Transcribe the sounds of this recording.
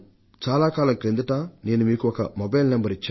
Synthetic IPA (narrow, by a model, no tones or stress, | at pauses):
t͡ʃaːlaːkaːlɐŋkɾend̪uʈaːneːnumiːkuɔkɐ̰mobɐjlnɐmbɐɾit͡ʃːaː